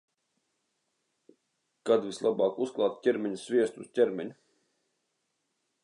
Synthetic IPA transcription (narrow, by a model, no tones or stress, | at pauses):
kad̪vislˠabɑːkusklˠɑːt̪cʲɛɾmʲɛɲʲusvʲiɛst̪uṵstʲɛɾmʲɛɲu